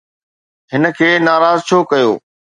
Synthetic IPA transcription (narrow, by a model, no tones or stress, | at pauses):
ɦɪnə̆kʰeːnaːɾaːzt͡ɕʰoːkɐjo̰ː